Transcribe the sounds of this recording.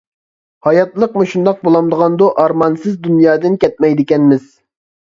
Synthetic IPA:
hɑjɑt̪lˠəqmuʃund̪ɑq̚bolˠɑmd̪əʁɑnd̪uʔɑɾmɑnsɨzd̪unjɑːd̪ɪnkʲɛt̪̚mɛjd̪ɪkʲɛnmɪz̥

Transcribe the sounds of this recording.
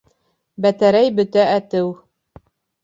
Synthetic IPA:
bæt̪æɾæjbɵ̆t̪æʔæt̪ɘw

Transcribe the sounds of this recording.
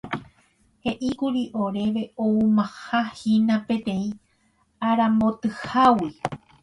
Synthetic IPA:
he̞ʔikuɾiʔo̞ɾe̞ʋe̞oumãhahinãpẽ̞t̪ẽ̞ĩ | aɾãmbot̪ɨhawi

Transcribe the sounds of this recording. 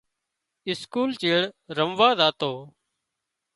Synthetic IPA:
ɪskuːlt͡ʃeːɽɾəmʋaːzaːt̪oː

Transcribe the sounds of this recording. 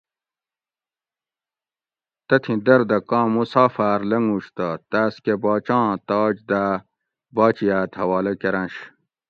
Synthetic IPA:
t̪ɐt̪ʰĩd̪ɐɾd̪ɐkɑ̃ːmusaːfaːɾlɐŋuɕt̪ɐt̪aːskebɑːt͡ɕɑ̃ːt̪ɑːd͡ʑd̪a | bɑːt͡ɕijaːt̪hɐwaːlɐkeɾɐ̃nɕ

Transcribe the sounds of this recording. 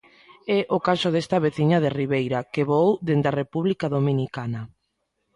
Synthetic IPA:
ɛʔokasʊðest̪ɐβeθiɲað̞eriβejɾakeβowd̪end̪arepuβlikaðomĩnikana

